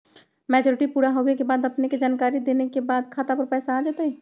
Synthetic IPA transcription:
mɛːd͡ʒɔːɾɪʈipuːɾaɦowekebaːd̪ɐpneked͡ʒaːnkaːɾid̪eːnekebaːd̪kʰaːt̪apəɾpɛːsaaːd͡ʒaːt̪aɦɛ

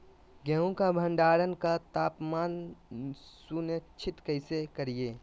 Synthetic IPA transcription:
ɡɛɦũkabʱə̃ɳɖaːɾənkat̪aːpmaːn | sunət͡ʃʰɪt̪kəɪsekəɾieː

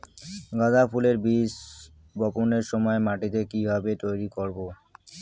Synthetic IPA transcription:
ɡad̪apʰuleɾbis | bɔponeɾʃɔmɔemaʈit̪ekibʱabet̪ojɾikoɾbo

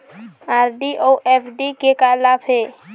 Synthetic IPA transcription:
aːɾɖiʔoːʔɛːpʰɖikekalaːfɦeː

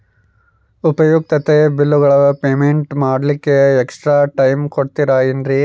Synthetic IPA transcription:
upɐjuk̚t̪ɐt̪ebilːuɡɐɭɐpeːmeɳʈmaːɽlikːe̞ːksʈɾaːʈɐjmkoɽt̪iɾaindɾi

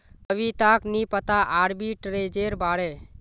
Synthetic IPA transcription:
pəʋit̪aknipət̪aʔaːɾbiʈɾed͡ʒeɾbaɽe

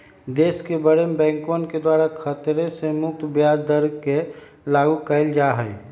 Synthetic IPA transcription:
d̪eːskebəɾembɛ̃ːŋkõnked̪waːɾakʰət̪ɾesemʊk̚t̪bjaːd͡ʒd̪əɾke | laɡukəɪld͡ʒaɦəj

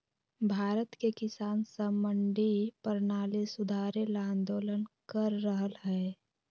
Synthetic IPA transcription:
bʱaːɾət̪kekɪsaːnsəməɳɖipəɾnaːlisʊd̪ʱaːɾelãːnd̪oːlənkəɾːəɦəlɦɛː

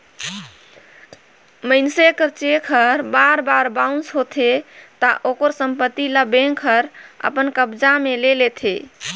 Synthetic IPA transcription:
məɪnsekəɾt͡ʃekʰəɾbaɾbaɾbaũnsɦot̪ʰet̪əʔokəɾsəmpət̪ːiləbeŋkʰəɾə̰pənkəbd͡ʒamelelet̪ʰe

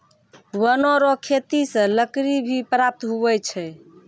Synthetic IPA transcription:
wənoɾokʰet̪isə̃ləkɾibʱipɾap̚t̪ɦuɛt͡ʃʰɛ

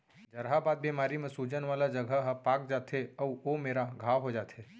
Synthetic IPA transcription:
d͡ʒəɾɦabaːd̪̚biːmaːɾimẽsud͡ʒənʋaːlad͡ʒəɡʱəɦpaːk̚d͡ʒaːt̪ʰeəuomeːɾaɡʱaːʋɦod͡ʒaːt̪ʰeː

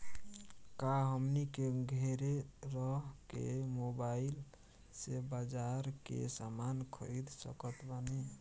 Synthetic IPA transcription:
kaɦəmnikeɡʱeɾeɾɔɦkḛmobail | sebad͡ʒaɾkḛsamankʰəjd̪sə̰kət̪bani

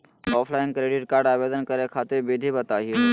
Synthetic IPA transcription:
ɔːpʰlaːɪ̃ŋkɾeːɖɪʈkaːɾɖaːʋeːd̪ənkəɾekʰaːt̪ɪɾbid̪ʱibət̪aːɦie

